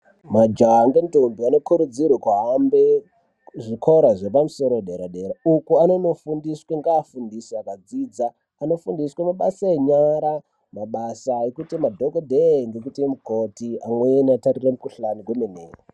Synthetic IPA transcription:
mad͡ʒaɦaŋɡentombiano̞kuɾud͡zirwekuɦambe | ʐikʰoɾaʐe̞pamuso̞ɾoɗeɾaɗeɾaukuano̞no̞fundisweŋɡaːfundisiakad͡ziːd͡zaː | no̞fundiswemaɓasaeɲaɾa | maɓasaekutimadʱokodʱeŋɡek̬utiemukotiamweniatariremukuɬanikwemenḛːra

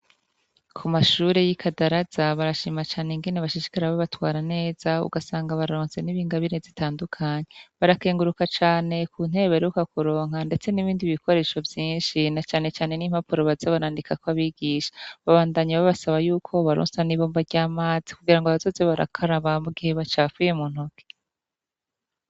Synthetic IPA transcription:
kʰumaʃuːɾe̞jikʰadaɾazaβaɾaʃiːmat͡ʃaːneŋɡeneβaʃiʃi̥kaɾaβaβatwaːɾane̞ːz̥aṵɡasaːŋɡaβaɾaɾoːnse̞niβiːŋɡaβiɾe̞zitaːndukʰaɲeβaɾake̞ːŋɡuɾukat͡ʃaːne̞kʰuːn̥e̞βe̞ɾeukakuɾo̞ːŋ̥ande̞t͡se̞niβiːndiβiβikʰo̞ɾe̞ʃovjiːnʃinat͡ʃaːne̞t͡ʃaːne̞niːm̥apuɾoβazaβaɾaːndikakoβaβiɡiʃḁβaβaːndaɲaβaβasaβajuːkʰo̞βaɾo̰ːnsaniβoːmbaɾɟaːmaːz̥i̥kuɡiɾaŋɡoaβazo̞ːzeβaɾa̰kʰaɾaβamuɡihe̞βat͡ʃaːfuje̞muːn̥hoke̥

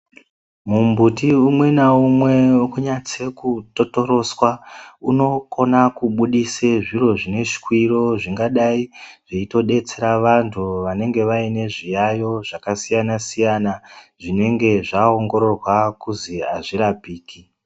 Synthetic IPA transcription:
mumbutiumwe̞naumwe̞kuɲat͡se̞kuto̞to̞ɾo̞swauno̞ko̞nakuɓuɗiseʐiro̞ʐine̞ʃi̥kwiɾo̞ʐiŋɡaɗaiʐ̥eito̞ɗe̞t͡se̞ɾaʋantʰuʋane̞ŋɡe̞ʋaine̞ʐijajo̞ʐ̥akasijanasijanaʐine̞ŋɡe̞ʐao̞ŋɡo̞ɾo̞rwakuziaʐiɾapiːki

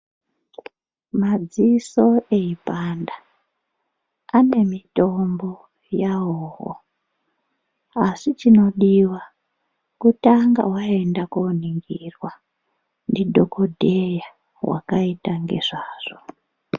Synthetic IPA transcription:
mad͡ziso̞e̞ipanda | ane̞mito̞mbo | jaɦoːɦo̰ | asit͡ʃino̞ɗiwa | kutaŋɡa̰waendakoniŋɡirwa | ndidʱokodʱeja | wa̰kaitaŋɡe̞̰ʐaːʐ̥o

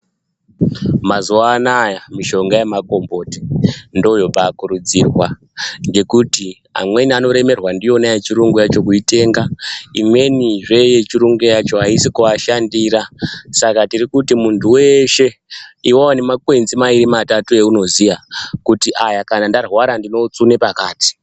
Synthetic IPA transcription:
mazuanajamiʃo̞ŋɡajemako̞mbo̞tindo̞jo̞paːkuɾud͡zirwa | ŋɡe̞kuti | a̰mwe̞niano̞ɾe̞me̞rwandijo̞najet͡ʃiɾuŋɡujat͡ʃo̞kuite̞ːŋɡaimwe̞niʐe̞je̞t͡ʃiɾuŋɡujat͡ʃo̞ɦaisikuaʃandiːɾasakatirikutimuntʰuwe̞ʃe̞iwowane̞makwe̞nzimaiɾimatatue̞uno̞zijakutiʔajakanandarwaɾandino̞t͡sunepakaːti̥

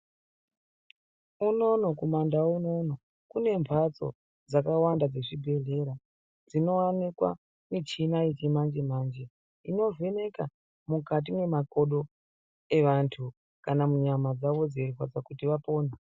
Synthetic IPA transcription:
uno̞nokumandauno̞no | kune̞mpʰat͡so̞̰ | d͡zakawandad͡ze̞ʐibʱe̞ɮe̞ɾa | d͡zino̞anekwa̰ | mit͡ʃinait͡ʃimand͡ʒem̤aːnd͡ʒe | ino̞ve̞ne̞ka | mukat̬imwe̞mako̞ɗo̞ | e̞ʋantʰu | kanamuɲamad͡zaʋo̞d͡zerwad͡zakutiʋapo̞ːne

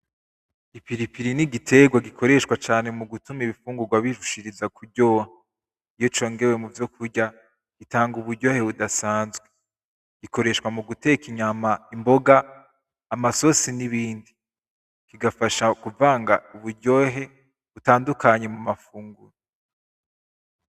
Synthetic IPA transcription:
ipiɾipiɾiniɡitʰe̞ɡwaɡikʰo̞ɾe̞ʃkwat͡ʃaːne̞muɡutumiβifuːŋɡuɾɡwaβiʃuʃiɾizakʰuɾɟo̞ːha | ijo̞t͡ʃo̞ːŋɡe̞we̞muvjo̞k̚ʰuɾɟa | ɡ̥itaːŋɡuβuɾɟo̞ːhe̞βudasaːnzɡwe | ɡ̥ikʰo̞ɾe̞ʃkwamuɡute̞kiɲamaimbo̞ɡaː | maso̞siniβiːndi | kiɡafaʃakuvaːŋɡauβuɾɟo̞ːɦe̞ | βutaːndukaɲe̞mumafuːŋɡuɾo

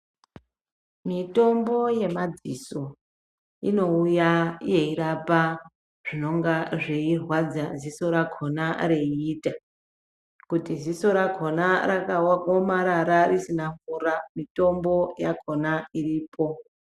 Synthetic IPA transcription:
mito̞mbo̞je̞mad͡ziso̞ | ino̞ujaje̞iɾapa | ʐ̥ino̞ŋɡaʐeirwad͡zaziso̞ɾakʰo̞nareiiːta | kutiziso̞ɾako̞naɾakaomaɾaɾarisinaɱvuːɾamito̞mbo̞jakʰonairiːpʰo̞

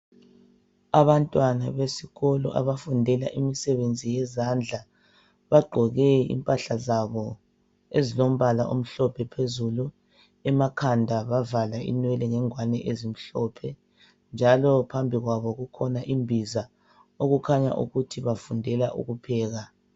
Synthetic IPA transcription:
aβantʼwanaβesiɣɔlɔ̰ʔa̰βafundʱɛla̰ʔimisɛβend͡zʱijɛzand͡ɮʱa | βaɡ͡ǃʱɔɣɛḭmpʼaɬazaβɔ | ezilom̩βalaʔum̩ɬɔpʰɛpʰezulu | ɛmakʰandʱaβavalaḭnwɛlɛŋɛŋwanɛ̰ʔezim̩ɬɔpʰɛ | nd͡ʒʱalɔpʰambʱiɣwaβɔɣukʰɔnaʔimbʱiza | oɣukʰaɲa̰ʔṵɣutʰiβafundʱɛlaʔṵɣupʰɛːɣa

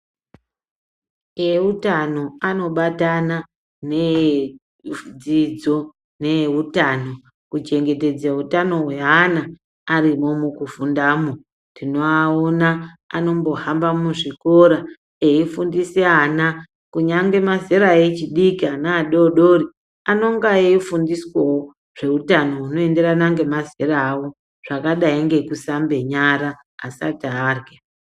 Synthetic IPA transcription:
eutano̞ano̞ɓatana | ne | d͡zid͡zo̞ | neutano̞ | kut͡ʃe̞ŋɡe̞te̞d͡zautano̞ɦwe̞ɦanaː | ɾimo̞mukufundaːmo | tino̞aona | ano̞mbo̞ɦambamuʐiko̞ɾa | eifundiseana | kuɲaŋɡe̞mazeɾaet͡ʃiɗikianaːɗo̞ɗo̞ri | ano̞ŋɡaeifundiswowo | ʐ̥e̞utano̞ɦuno̞e̞nde̞ɾanaŋɡe̞mazeɾaːwo | ʐ̥akaɗaiŋɡe̞kusambe̞ɲaɾaː | sa̰taːrɡa

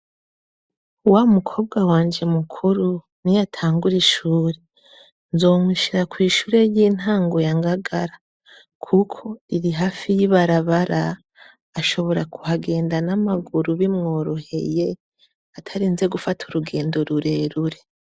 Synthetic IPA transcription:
uwaumukʰo̞ːbɡawaːnd͡ʒe̞mukʰuɾu | nijatʰaːŋɡuɾiʃuːɾe | nzo̞ːmiʃiɾakwiːʃuːɾe̞jiːn̥haːŋɡo̞jaŋɡaɡaɾa | kʰukʰo̞iɾiɦafijiβaɾaβaɾaː | ʃo̞βo̞ɾakuhaɡe̞ːndanamaɡuɾuβimŋo̞ːɾohe̞̰je̞ | atʰaɾiːnze̞ɡufatʰuɾuɡe̞ːndo̞ɾuɾe̞ɾuɾe̞

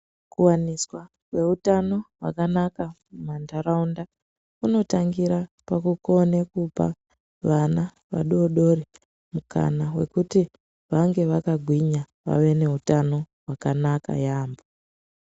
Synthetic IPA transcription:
kuwaniswa | kwe̞utano̞ɦwa̰kanakamumandaɾaunda | uno̞taŋɡiɾa | pakuko̞nekupa̰ | ʋana | ʋa̰ɗoɗo̞ri | mukʰa̰nawe̞̰kuti | ʋaŋɡe̞ʋakaɡʱwiɲa | ʋa̰ʋe̞ne̞utano̞ | wakanaka̰jaːmbo

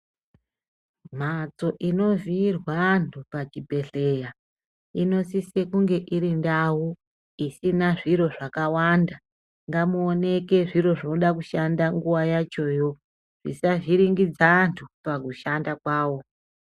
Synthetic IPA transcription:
m̤at͡so̞ʔino̞vʱiːrwantʰupat͡ʃibʱe̞ɬe̞ja | ino̞sisekuŋɡe̞ʔiɾindawu | isinaʐiɾo̞ʐakawanda | ŋɡamuone̞ke̞ʐiɾo̞ʐinoɗak̬uʃandaŋɡuwajat͡ʃo̞jo̞ | ʐ̥isaʐiɾiŋɡid͡zantʰupakuʃandakwaːwo̞

